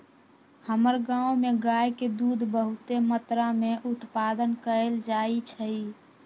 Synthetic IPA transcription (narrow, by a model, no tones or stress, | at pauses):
həməɾɡãumeɡajked̪ud̪ʱbəɦut̪emət̪ɾameʔut̪pad̪ənkəeld͡ʒait͡ʃʰəi